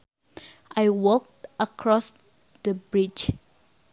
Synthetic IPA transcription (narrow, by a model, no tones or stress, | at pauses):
ʔajwɔk̚təkʰɹɔs | dəbɹid͡ʒ